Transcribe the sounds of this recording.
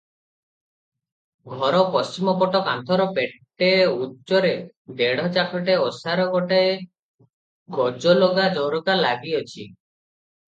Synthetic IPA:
ɡʱɔɾɔpɔst͡ʃimɔpɔʈɔkant̪ʰɔɾɔpeʈː | eutːt͡ʃɔɾe | d̪eɽ̤ɔt͡ʃakʰɔʈeɔsaɾɔɡɔʈae | ɡɔd͡ʒɔloɡad͡ʒɔɾɔɡalaɡiɔt͡ʃʰi

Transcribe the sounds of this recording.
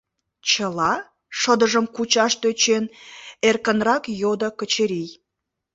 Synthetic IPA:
t͡ɕəlɑ | ʃəd̪əʒəmkut͡ɕɑʃt̪øt͡ɕenerkənrɑkjod̪əkət͡ɕeɾij

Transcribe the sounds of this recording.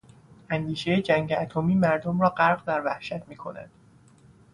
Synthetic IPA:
ʔænd̪iːʃejed͡ʒæŋɟeæt̪ʰomiːmæɾd̪omrɒːɢæɾɢd̪æɾvæhʃæt̪ʰmiːkʰo̞næ̰nd̪̥

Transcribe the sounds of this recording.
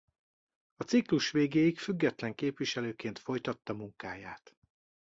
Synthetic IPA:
ɒt̪sikluʃʋeːɡeːjikfyɡːɛt̪lɛŋkeːpʋiʃɛløːkeːnt̪fo̞jt̪ɒt̪ːɒmuŋkaːjaːt̪

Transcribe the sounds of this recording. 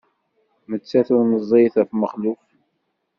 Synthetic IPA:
mət͡sːæθʊɾnəzˤːeθæfməχluf

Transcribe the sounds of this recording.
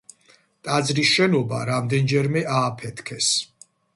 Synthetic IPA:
t̪ʼad̪zɾisʃɛnɔbaɾamd̪ɛnd͡ʒɛɾmɛʔaːpʰɛt̪ʰkʰɛs

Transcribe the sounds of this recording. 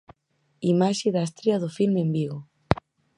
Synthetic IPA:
imaʃɪðast̪ɾeɐðʊfilmembiɣʊ

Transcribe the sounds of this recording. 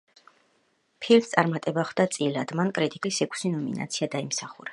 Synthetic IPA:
pʰilt̪sʼaɾmat̪ʼɛbaχʰd̪at̪sʼilad̪̥mankʼɾit̪ʼikʼisɛkʰʷʼsinɔmḭna̰t̪sʰiad̪aimsaχṵɾa

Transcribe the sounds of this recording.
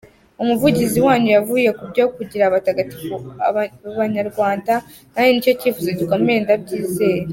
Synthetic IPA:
umuvuɟiziwaːɲujavuːje̞kubɟokuɟiɾaβataɡati̥β | aβaɲaɾɡwaːnda | najonico̞civuzeɟikome̞ndab̚ɟiːze̞ːɾe

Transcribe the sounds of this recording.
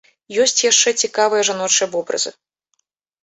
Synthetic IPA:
jɔsʲt͡sʲjaʂt͡ʂɛt͡sʲikavɨjɐʐanɔt͡ʂɨjɐbɔbɾɐ̰zɨ̰

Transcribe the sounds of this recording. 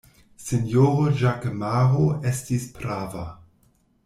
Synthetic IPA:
senjoʁoʒakmaʁoestispɾava

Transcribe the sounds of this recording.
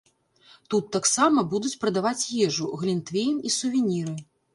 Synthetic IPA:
t̪ut̪ːaksamɐbud̪ut͡sʲpɾɐd̪avat͡sʲjɛʐuɣlʲint̪vʲejmisuvʲinʲiɾɨ

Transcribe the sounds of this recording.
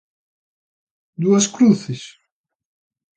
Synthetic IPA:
d̪uɐskɾuθɪs

